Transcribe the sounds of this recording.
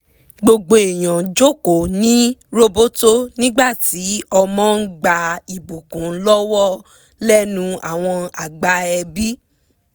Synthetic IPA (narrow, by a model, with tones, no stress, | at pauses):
ɡ͡bo˧ɡ͡bo˧e˨j̃ã˨d͡ʒo˦˨ko˨nĩ˦ɾo˧bo˦to˦nĩ˦ɡ͡ba˦˨ti˨˦ɔ˧mɔ̃˦ɡ͡ba˧i˨bo˨kũ˨˦lɔ˦wɔ˦ | lɛ˦nũ˧a̰˨w̃ɔ̃˧a˨ɡ͡ba˧ɛ˧bi˦